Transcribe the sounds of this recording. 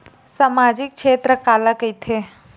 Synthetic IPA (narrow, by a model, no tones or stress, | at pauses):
samad͡ʒik̚ʃʰeːt̪ɾəkaːləkəjt̪ʰe